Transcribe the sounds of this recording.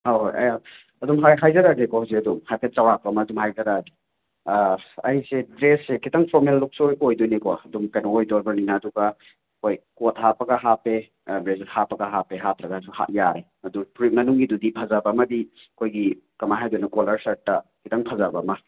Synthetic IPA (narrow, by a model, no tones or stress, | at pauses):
hawɦojɐ̰ja | ɐdumɦajɦajzɐɾaɡekɔhawseɐdumhajpʰet̚t͡ʃawɾak̚pɐːmɐːdumhajzɐɾaɡi | ɐjsedɾesːekʰitɐŋpʰɔɾmelːuk̚sojojdojnikɔɐdumkɐjnɐojdɔlbɐɾninɐːduɡɐ | kʰojkot̚hapɐɡɐɦape | bɾezethapːɐɡɐɦapeɦatɾɐɡɐsuha̰ʔ̚jaɾe | ɐdupɾit̚mɐnuŋɡidudipʰɐzɐbɐːmɐdi | ɐkʰojɡikɐmaɦajdojnɐkolɐɾsɐɾtːɐkʰitʰɐŋpʰɐzabɐmɐ